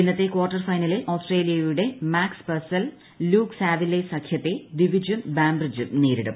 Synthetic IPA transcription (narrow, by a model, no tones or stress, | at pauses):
enːɐt̪ːe̞kwoːrʈːɐrfɐjnɐleʔoːsʈre̞ːlijɐjuɽe̞maːkspɐrsɐl | luːksaːʋilesɐkʰjɐt̪ːe̞d̪iʋid͡ʑɐnbaːmbrid͡ʑɨneːɾiɽɐ̰m